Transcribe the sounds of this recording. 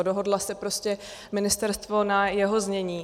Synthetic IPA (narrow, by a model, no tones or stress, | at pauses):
doɦo̞dlasɛpɾoscɛ | mɪnɪst̪ɛɾst̪vo̞najɛɦo̞zɲɛɲiː